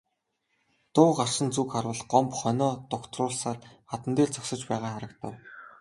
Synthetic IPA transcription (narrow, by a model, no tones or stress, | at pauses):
t̪ʊːɢar̥ʃə̆nt͡sukχarwə̆ɮɢɔmpχœnʲɔːt̪ʊkt̪rʊːɮsaːrχat̪ə̆nt̪eːɮt͡sɔksə̆t͡ɕpæːʁaːχaɾə̆kt̪ə̰̆w